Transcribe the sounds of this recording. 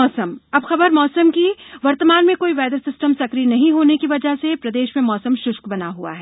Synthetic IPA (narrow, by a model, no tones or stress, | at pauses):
ɔːsəmɐbxɐbəɾmɔːsəmkiʋɐɾt̪əmaːnmẽkoːiʋɛːd̪əɾsɪsʈəmsɐkɾinɐɦĩɦoːnekiʋɐd͡ʒəɦsepɾɐd̪eːʃmẽmɔːsəmʃʊʃkbɐnaɦua̰ɦɛː